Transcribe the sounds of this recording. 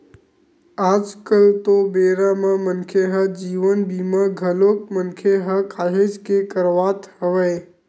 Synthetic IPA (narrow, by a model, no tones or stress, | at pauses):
aːd͡ʒkəlt̪obeːɾamə̃mənkʰeɦəd͡ʒiːʋənbʱiːməɡʱəloːk̚mənkʰeɦəkaːɦed͡ʒkekəɾʋaːt̪həʋəː